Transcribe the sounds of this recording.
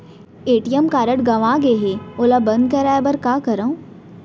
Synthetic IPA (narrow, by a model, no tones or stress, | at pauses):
eːʈijəmkaːɾəʈɡɐʋãɡeɦeoːlabɐ̃nd̪̚kɐɾaːebɐɾkaːkɐɾaũ